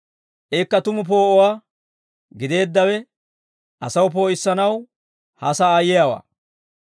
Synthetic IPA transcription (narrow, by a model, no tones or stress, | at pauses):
ʔeːkːɐt̪ʊmʊp̬o̞ːʔɔwaː | ɡɪd̪e̞ːd̪ːɐwɛ | ʔɐsɐwʊp̬o̞ːɪsːɐnɐw | hɐsɐːjɛjawa̰ː